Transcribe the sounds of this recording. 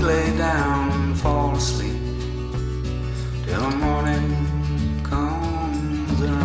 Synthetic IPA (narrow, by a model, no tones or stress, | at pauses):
leɪdãʊ̃nfɔlˠsli | dʰɛləmɔnɪ̃ŋ | kʰʌ | m | zɨ